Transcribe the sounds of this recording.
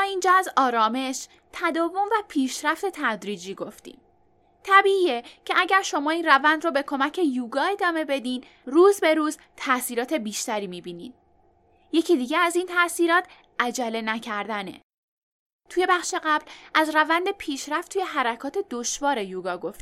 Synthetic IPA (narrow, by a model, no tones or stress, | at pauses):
mɒːind͡ʒɒːæzɒːɾɒːme̞ʃ | t̪ʰæd̪ɒːvo̞mvæpʰiːʃɾæft̪e̞t̪ʰæd̪ɾiːd͡ʒiːɡo̞ft̪ḭːm | t̪ʰæbiːʔiːecʰe̞æɟæɾʃo̞mɒːiːnrævænd̪ɾobe̞kʰo̞mæcʰe̞juːɡɒːe̞d̪ɒːme̞be̞d̪iːn | ruːzbe̞ɾuːz | t̪ʰæsiːɾɒːt̪ʰe̞biːʃt̪æɾiːmiːbinḭːd̪̥ | je̞cʰiːd̪iːɟeæziːnt̪ʰæsiːɾɒːt̪ʰ | ʔæd͡ʒæle̞næcʰæɾd̪ænḛ | t̪ʰuːje̞bæχʃe̞ɢæblʔæzɾævænd̪e̞pʰiːʃɾæft̪ʰuːje̞ɦæɾækʰɒːt̪ʰe̞d̪oʃvɒːɾe̞juːɡɒːɡo̞ft̪